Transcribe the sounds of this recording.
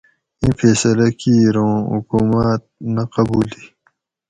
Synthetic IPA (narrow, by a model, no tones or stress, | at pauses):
ĩfeːsɐlɐkiɾõːɦṵkuːmat̪̚nɐqɐbuːli